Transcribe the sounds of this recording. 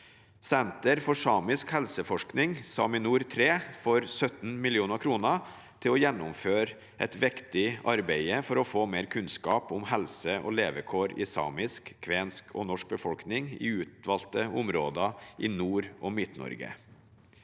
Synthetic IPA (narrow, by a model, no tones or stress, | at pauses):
sɛnt̪əɾfɔʂɑːmɪskhɛlsəfɔʂknɪŋsɑ̰ːmɪnuːɾt̪ʰɾeːfɔɾsœt̪n̩mɪlɪuːnəkʰɾuːnə | t̪ʰɪlɔjɛnːʊmføːɾ | ʔɛt̪ʋɪkt̪ɪɑɾbæɪəfɔɾɔfoːmeːɾkʰʉnskɑːpʊmhɛlsəʔɔ̰ːleːʋəkʰoːɾɪ̰sɑ̰ːmɪskkʰːʋeːnskʰɔ̰nɔʂk̚bəfɔlknɪŋɪ̰ʉːt̪ʋɑːlt̪əʊmɾoːd̪ɑʔɪnuːɾʔɔmɪt̪nɔ̰ɾɡə̰